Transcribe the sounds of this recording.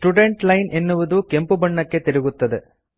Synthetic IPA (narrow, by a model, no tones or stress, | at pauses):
sʈuɖeɳʈlɐɪnʔɛnːɯʋɐðɯkɛmpɯbɐɳːɐkːet̪ːɛɾɯɣɯt̪ːɐðɯ